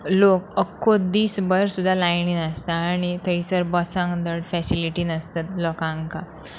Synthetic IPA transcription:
lokəkʰːod̪iːsbəɾsud̪ʱːalajninəst̪aːɽ̃it̪əisəɾbəsãŋd̪əɽfɛsiliʈiːnəst̪at̪̚lɔkãŋka

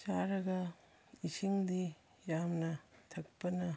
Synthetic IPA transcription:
t͡ʃaɾɐɡɐ | isiŋdi | jamnɐtʰɐk̚pɐnɐ

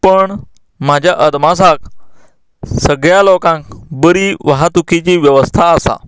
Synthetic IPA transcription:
pəɳ | m̤ad͡ʑʱjaʔəd̪mas̬ak | səɡɭjalokãŋk̚bəɾiːʋəɦat̪ukʰit͡ɕiːʋjəʋəst̪ʰaːsa̰

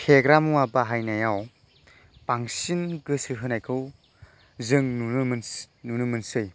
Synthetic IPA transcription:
kʰeɡɾamuabaɦajnajaw | paŋsinɡɯsɯɦɯnajkʰɯw | zɯŋnunɯmɯn | nunɯmɯnsɯj

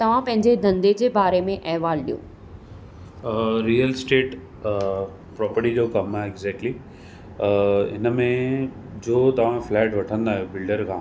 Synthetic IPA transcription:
t̪ɐʋ̤ãpɐ̃ɦɪ̃ɲd͡ʑed̪ʱɐ̃nd̪ed͡ʑeːbaːɾemẽʔɐɦʋaːlɗḭjõ̰ː | ɾiːəlsʈeːʈ | pɾɔːpəɾʈid͡ʑokɐmaɪɡzɛːk̚ʈli | ɪnmẽ | d͡ʑoːt̪ɐʋ̤ãflɛːʈʋɐʈʰə̃nd̪aːɦijobɪlɖəɾkʰãː

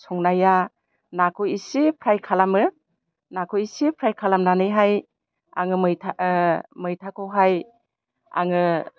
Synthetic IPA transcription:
sɔŋnaja | nakʰujisipʰɾajkʰalamɯ | nakʰuisipʰɾajkʰalamnanɯjɦaj | a̰ŋɯmɯjtʰamɯjtʰakʰɔwɦaj | a̰ŋɯ

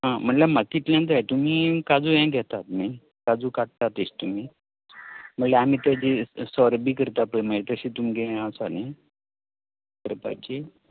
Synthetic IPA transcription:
ɦãm̤əɳʈlamat̪it̪ljãnd͡z̪ajt̪umiːkad͡zujɛ̃ɡʱɛt̪at̪ni | kad͡zuːkaʈ̚t̪at̪əɕt̪um̤iː | m̤əɳleam̤iːt̪ad͡ʑiesɔɾbiːkəɾt̪apəɳməlet̪əɕiːt̪umɡʱẽasani | kəɾpa̰t͡ɕe

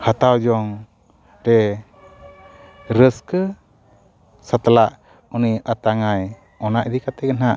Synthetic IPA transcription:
hət̪awd͡ʒɔŋ | ɾɛ | ɾəskə | sət̪laʔ | uniət̪aŋaj | ɔnaʔd̪ikat̪ɛkənɦaʔ

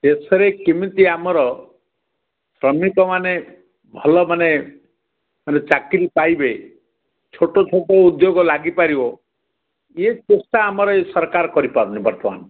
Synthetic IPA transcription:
d̪esɔɾekimit̪iamɔɾɔ | sɾɔmikɔmane | bʱɔlɔmane | manet͡ʃakɾipajbe | t͡ʃʰoʈɔt͡ʃʰoʈɔud̪joɡɔlaɡipaɾibɔ | et͡ʃusaːmɔɾɔesɔɾkaɾɔkɔɾipaɾunibɔɾt̪ɔma̰n

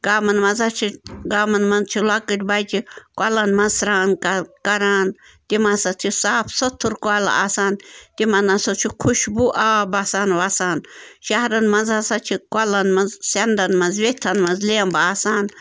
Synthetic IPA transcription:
ɡaːmɐnmɐzat͡ʃʰiɡaːmɐnmɐnzt͡ʃʰilakɨʈʲbajt͡ʃʰikʷalɐnmɐnzsɾaːnkkɐɾaːn | t̪imasɐt̪ʰisaːpʰsɐt̪ʰːuɾkala̰aːsaːnt̪imɐnasot͡ʃʰikʰuʃbuʔaːbasaːnʋasaːnʃɐɦɾɐnmɐnzasat͡ʃʰikʷalɐnmɐzsɐnd̪ɐnmɐzʋet̪ʰɐnmɐnzleːmbaaːsaːn

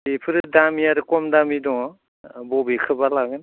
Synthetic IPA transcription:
epʰɯɾɯdamiaɾɯkɔmdamidɔŋ | bɔbekʰɯbalaɡɯn

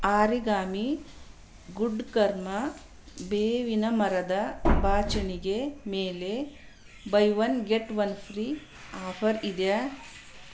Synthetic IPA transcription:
aːɾiɡaːmi | ɡuɖkɐɾmɐ | beːʋinɐmɐɾɐd̪ɐbaːt͡ʃɐniɡemeːle | bɐjʋɐnɡeʈʋɐnpʰɾiː | aːpʰɐɾid̪ɐ

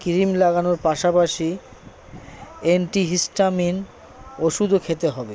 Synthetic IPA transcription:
kiɾimlaɡanoɾpaʃapaʃi | eɳʈiɦisʈamin | oʃud̪ʱokʰet̪eɦɔbe

